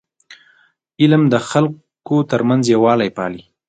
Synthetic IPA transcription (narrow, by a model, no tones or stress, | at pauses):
ɪlmd̪əxal | kot̪əɾmanzjawɑlajpɑ̰li